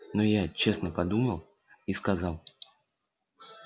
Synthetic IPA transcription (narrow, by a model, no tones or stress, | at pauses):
nɔjat͡ɕɛsnəpad̪uməlˠ | iskazalˠ